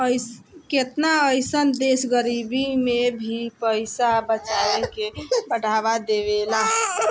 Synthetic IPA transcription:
əɪket̪naəɪsənd̪esɡəɾibimebʱipəɪsabət͡ʃaekebəɽ̤ʱaβad̪eʋelaɦ

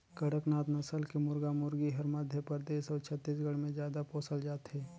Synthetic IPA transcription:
kəɽəknaːt̪nəsəlkemʊɾɡaːmʊɾɡiɦɐɾməd̪ʱjəpəɾd̪eːsɔːɾt͡ʃʰət̪ːiːs̬ɡəɽmẽzjaːd̪apoːsəld͡ʒaːt̪ɦɛː

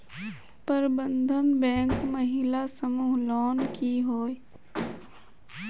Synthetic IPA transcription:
pəɾbə̃nd̪ʱənbɛ̃ːŋkmɐɦɪlasəmuːɦlɔːnkiɦoːi

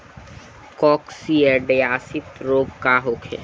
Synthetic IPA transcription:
kɔːksiɛɖeaːsɪt̪ɾoːbkaɦokʰḛː

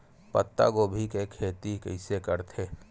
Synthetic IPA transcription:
pə̰t̪ːa̰kobʱikekʰːeːt̪ikə̰ɪsekəɾt̪ʰeː

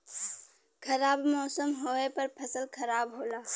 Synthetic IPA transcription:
kʰɐɾaːbmɔːsəmɦoːepɐɾpʰɐsəlkʰɐɾaːbɦoːlaː

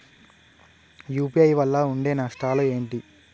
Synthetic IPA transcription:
juːpiɐjʋɐlːɐuɳɖeːnɐʂʈaːloe̞ːɳʈi

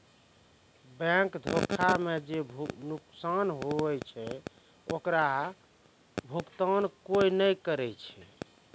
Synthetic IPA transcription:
bɛ̃kd̪ʱokʰamed͡ʒebʱnuksanɦoɛt͡ʃʰɛ | okɾa | bʱukt̪ankojnəjkəɾɛt͡ʃʰɛ

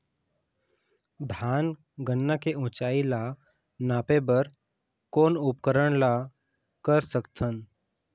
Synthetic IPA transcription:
d̪ʱaːn | ɡənːakeʊ̃t͡ʃaːila | naːpebəɾ | koːnʊpkəɾəɽ̃la | kəɾsəkt̪ʰən

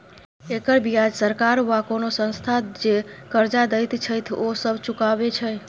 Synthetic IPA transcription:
ekəɾbijad͡ʒsəɾkaɾʋakonosə̃nst̪ʰad͡ʒekəɾd͡ʒad̪əjt̪t͡ʃʰəjt̪ʰosəbʱt͡ʃukabet͡ʃʰə

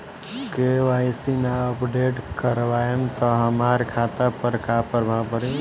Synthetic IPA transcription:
keʋajsinaəpɖeʈkəɾʋaemt̪ɔɦəmaɾkʰat̪apəɾkʰapəɾbʱabəɾi

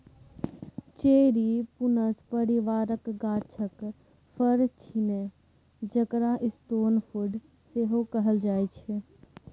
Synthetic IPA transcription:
t͡ʃeːɾipʊnəspəɾiʋaːɾəkɡaːt͡ʃʰək | fʰəɾt͡ʃʰinẽ | d͡ʒəkɾaʔɪst̪oːnfʰʊɖ | seɦokəɦəld͡ʒaːet͡ʃʰe

